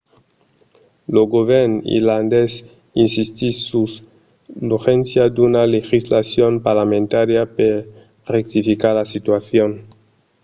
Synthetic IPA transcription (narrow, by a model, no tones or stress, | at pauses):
loɡoβeɾnḭɾland̪es | insist̪isus | luxensjad̪unalexislasjonpaɾlamẽnt̪aɾjape | rek̚t̪ifikaɾlasit̪waθjon